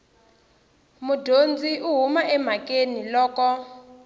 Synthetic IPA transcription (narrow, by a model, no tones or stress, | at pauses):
mudʱond͡ziʔuɦumaʔɛm̤akenilɔːkɔ